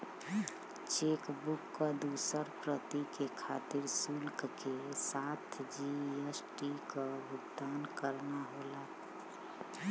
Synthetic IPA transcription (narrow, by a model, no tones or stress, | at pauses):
t͡ʃeːkbʊkːad̪usəɾpɾət̪ikekʰaːt̪ɪɾsulkkesaːt̪ʰd͡ʒiesʈikaʊɡd̪aːnkəɾnaɦoːla